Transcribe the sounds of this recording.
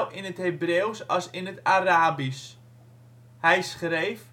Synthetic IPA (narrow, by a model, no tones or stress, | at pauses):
lˠɪnətɦejbreːwsɑsɪnətaraːbis | hɛjsχrejf